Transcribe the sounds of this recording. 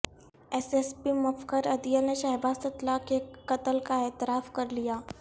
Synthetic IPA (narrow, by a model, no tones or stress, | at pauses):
ɛsespimɐfkəɾɐd̪ijəneʃɛɦbaːst̪ɐt̪lakekɐt̪əlkaɛːt̪ɪɾaːfkɐɾlijaː